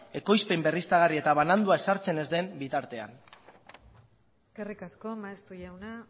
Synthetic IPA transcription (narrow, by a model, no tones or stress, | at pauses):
e̞ko̞jspembe̞rist̪aɣ̞arie̞t̪aβ̞anand̪uae̞saɾt͡se̞ne̞zd̪e̞mbit̪aɾt̪e̞a̰n | eske̞rikasko̞maest̪uʝawna